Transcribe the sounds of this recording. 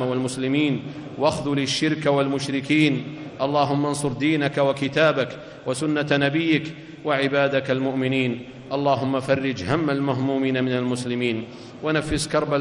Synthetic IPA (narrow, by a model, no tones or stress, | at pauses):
walmʊslɪmiːn | waxðulɪʃːɪɾkawalmʊʃɾɪkiːnʔɑlˤːɑːɦʊmːansˤʊɾˤd̪iːnakawakɪt̪aːbak | wasʊnːanabɪjːɪk | waʕɪbaːd̪akalmʊʔmɪniːn | ʔɑlˤːɑːɦʊmːafɑrˤːɪd͡ʒhamːalmaɦmuːmiːnamɪnalmʊslɪmiːn | wanafːɪskɑɾˤba